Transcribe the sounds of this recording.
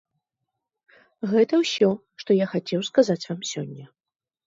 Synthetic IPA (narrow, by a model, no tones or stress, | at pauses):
ɣɛt̪ɐwsʲɔ | ʂt̪ɔjaxat͡sʲɛwskazat͡sʲvamsʲɔnʲːɐ